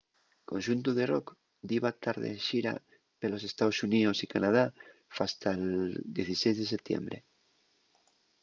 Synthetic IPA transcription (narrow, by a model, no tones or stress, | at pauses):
kõnʃunt̪uðerok | d̪iβat̪aɾðḛʃiɾa̰ | pelo̞s̬est̪aosuniosikanað̞afast̪ald̪jeθisejzðeset̪jḛmbɾe